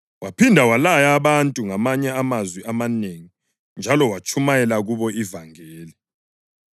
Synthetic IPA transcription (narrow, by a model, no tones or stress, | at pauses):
wʔapʰindʱawalajaβantʼuŋamaɲɛamazwiamaneŋi | nd͡ʒʱalɔwat͡ʃʰumajɛlaɣuβɔivaŋɛːli